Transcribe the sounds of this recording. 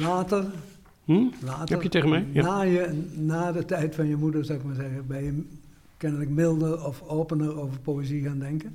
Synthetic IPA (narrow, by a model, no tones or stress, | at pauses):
laːtər̩ | laːtɛəjəteɣənmɛjnaːjənaːdətɛjtfɑnjəmudərzawɪk̚maːɹzɛɣəbɛjjə | kɛnələkmɪlˠdərɔfoːpənəroːvərpoːeziɣaːndɛŋkən